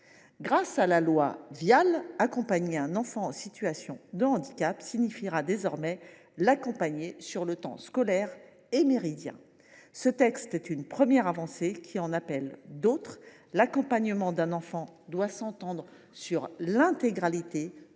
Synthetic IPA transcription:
ɡʁasalalwavjalakɔ̃paɲeɛ̃nɑ̃fɑ̃ːsit̪yasjɔ̰̃d̪əɑ̃d̪ikapsiɲifiʁad̪ezɔʁmɛ | lakɔ̃paɲesyʁlət̪ɑ̰̃skɔlɛʁ | emeʁid̪jɛ̰̃ | sət̪ɛkst̪ɛt̪ynpχəmjɛʁavɑ̃sekʲʰiɑ̃napɛld̪ot̪χ | lakɔ̃paɲəmɑ̃d̪ɛ̃nɑ̃fɑ̃d̪wasɑ̃t̪ɑ̃d̪ʁ | syʁlɛ̃t̪eɡʁalit̪e

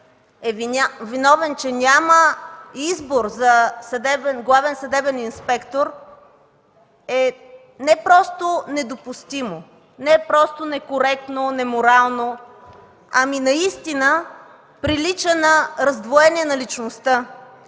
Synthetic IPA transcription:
ɛvvinɔvɛnt͡ʃɛnʲaməizboɾzɐsɐd̪ɛbɛnɡlˠavɛnsɐd̪ɛbɛninspɛkt̪oɾ | ɛ | nɛpɾɔst̪onɛd̪opʊst̪imo | nɛpɾɔst̪onɛkoɾɛk̚t̪nonɛmoɾalˠno | ɐminɐist̪inə | pɾilit͡ʃənɐɾɐzd̪voɛniɛnɐlit͡ʃnost̪ə

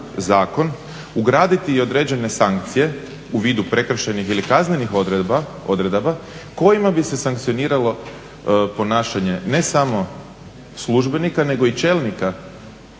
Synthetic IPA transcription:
zaːko̞n | uɡɾaːd̪it̪iːo̞d̪ɾe̞ːd͡ʑe̞ne̞saŋk̚t̪sije̞ | uʋiːd̪upɾe̞kr̩ʃenixilikazne̞nixa | od̪ɾed̪abako̞jimabise̞saŋkt̪sio̞niːɾalo̞ | po̞naːʃaɲe̞ne̞samo̞ | slˠuʒbe̞nikane̞ɡo̞it͡ʃe̞ːlˠnika

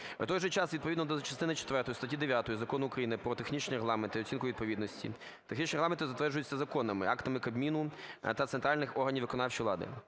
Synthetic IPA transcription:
ṵt̪ɔjʒɛt͡ʃɑsʋʲid̪̚pɔʋid̪nɔd̪ɔt͡ʃɐst̪ɪnɪt͡ʃe̥t̪ʋɛrt̪ɔjʊst̪ɐtʲid̪eʋʲjat̪ɔjʊzɐkɔnʊːkɾɐjinɪpɾɔt̪exnʲit͡ʃnʲiɾeɦlˠɑment̪ɪɔt͡sʲsʲinkʊʋid̪̚pɔʋʲid̪nɔsʲtʲḭ | t̪exnʲit͡ʃnʲɾeɣlˠɑment̪ɪzɐt̪ʋɛrʒʊjʉt͡sʲːɐzɐkɔnɐmɪ̰ɑkt̪ɐmɪkɐbmʲinʊt̪ɐt̪sent̪ɾɑlʲnɪxɔrɦɐnʲiʋɪkɔnɑwt͡ʃijlˠɑ̰d̪ɪ̰

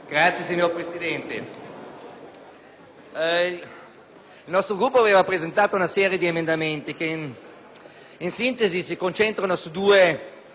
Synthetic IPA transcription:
ɡ̥ɾat̪sjesiɲːorpɾesid̪ɛnt̪ḛ | ilnɔst̪ɾoɡɾupːoaveːvapɾezent̪aːt̪ounasɛːɾjed̪iemend̪ament̪ike | insint̪ezisikont͡ʃent̪ɾanosud̪uːe

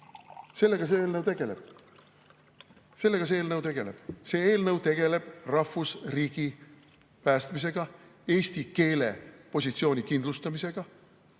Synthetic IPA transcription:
se̞lːe̞ɡ̥ɑseeːlnəwt̪eɡ̥eleb̥̚ | se̞lːe̞ɡ̥ɑs̬eeːlnɤwt̪e̞ɡ̥e̞le̞̰b̥se̞ːeːlnɤwt̪e̞ɡ̥e̞le̞b̥rɑfusriːɡ̥i | pæːst̪mis̬e̞ɡ̥ɑ | e̞ːst̪ike̞ːle̞̰po̞s̬ʲit̪sio̞ːnʲikind̪lust̪ɑmise̞ɡ̥ɑ

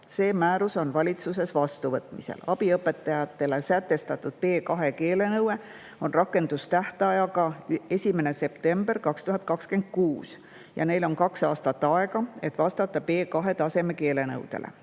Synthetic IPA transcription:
se̞ːmæːɾuso̞nvɑlʲit̪sus̬e̞svɑst̪uvɤt̪ˑmisḛlɑb̥iɤpːˑe̞t̪ːˑɑjɑt̪ːˑe̞le̞sæt̪ːe̞st̪ɑt̪ːˑud̪̥̚pe̞ːkɑɦe̞ke̞ːle̞nɤwe̞ | o̞nrɑkːe̞nd̪̥ust̪æht̪ɑjɑɡɑe̞sʲimene̞se̞pt̪e̞mb̥e̞rkɑkst̪uɦɑt̪̚kɑkskend̪̥̚kuːs | jɑ̰ne̞jlo̞nkɑksɑːst̪ɑt̪ːɑe̞ɡɑe̞t̪ːˑvɑst̪ɑt̪ːˑɑpe̞ːkɑɦe̞t̪ɑse̞me̞ke̞ːle̞nɤ̰wd̪̥e̞̰lʔḛ

